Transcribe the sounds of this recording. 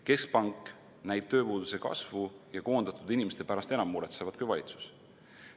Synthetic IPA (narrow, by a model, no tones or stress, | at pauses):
ke̞sk̚pɑŋkˑː | næjb̥̚t̪ø̞ːpuːd̪̥use̞kɑ̰svujɑko̞ːnd̪̥ɑt̪ˑud̪inʲimest̪e̞pæɾɑst̪e̞nɑmːuɾet̪sevɑd̪̥kujvɑlʲit̪su̥s